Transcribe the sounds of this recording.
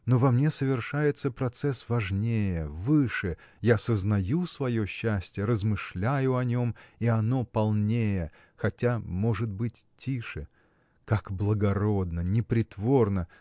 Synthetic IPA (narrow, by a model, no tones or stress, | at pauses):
no̞vɐmnʲe̞səvʲɪrʂajɪt̪səpɾɐt̪sɛsvɐʐnʲejəvɨʂɨ | jasəznɐjusvɐjo̞ɕːæsʲtʲɪjəɾəzmɨʂlʲæjʊɐnʲo̞miɐno̞pɐlˠnʲejə | xɐtʲamo̞ʐɨt̪̚bɨtʲtʲːiʂɨ | kakblˠəɡɐɾo̞d̪nənʲɪpɾʲɪt̪vo̞rnə